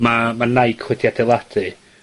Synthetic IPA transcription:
mamanajkʰwɛdjadɛlˠad̥ɨ

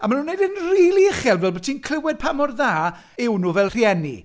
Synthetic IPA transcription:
amanunːejdənriːlˠiɪχɛlˠvɛlˠbɔtʰinkʰl̥ɪwɛd̚pʰamɔrðaː | ɪwnuvɛlˠr̥jɛnḭ

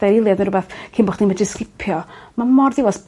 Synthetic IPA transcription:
aɾɪlˠjadnəɾʊbaθkʰinbɔχd̥imədɪskɪpʰjɔmamɔrðɪwɔs

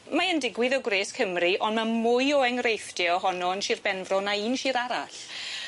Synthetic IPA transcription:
maəndɪɡwɪðɔɡwreːskʰəmriʔɔnmamʊjɔɛŋrejfdjɛɔɦɔnɔənʃiːrbɛnvrɔnaiːnʃiːɾaɾaɬ

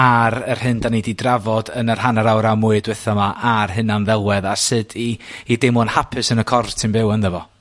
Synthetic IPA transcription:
aɾər̥hɨndanididravɔdənər̥hanaɾawɾamʊɨdwɛθɔmaʔarɦɨnanðɛlˠwɛðasɨdiːdɪmʊnhapʰɨsənəkʰɔrtʰɪnbɪwənðɛvɔ

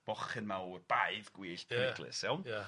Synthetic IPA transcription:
b̥ɔχɨnmaurb̥ajvɡ̥wiːɬpʰɪɡlˠɨ̰sɛwnja

